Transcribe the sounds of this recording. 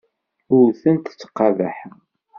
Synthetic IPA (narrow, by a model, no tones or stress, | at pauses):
ʊɾθənt̪t͡sːə̥qːɑðæħ